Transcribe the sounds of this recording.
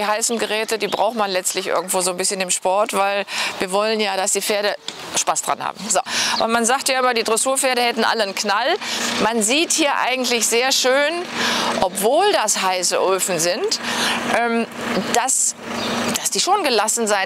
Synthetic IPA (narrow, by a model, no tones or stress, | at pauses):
ihaɪsn̩ɡəʁɛːtədiːbʁa̰ʊxtmanlɛt͡stlɪçʔɪ̰ɐɡŋ̩tv̥oːzoːnbɪsçənɪmʃpɔɐtv̥aɪlviːɐvɔlənjaːɾasd̥iːfeːɐɾəʃpaːsd̥ʁa̰nha̰ːbm̩zo̰ːʔʊ̰nmanzaːktjaːʔɪmɐdiːdʁɛsuːɐfeːɐɾəhɛtn̩ʔa̰lənknalmanziːthiːɐʔa̰ɪɡŋ̩tlɪçz̥eːɐʃøːnʔɔpv̥oːldasɦaɪsə̰ʔoːfn̩zɪntʔɛːm | d̥as | d̥asd̥iːʃoːnɡəlasn̩zaɪ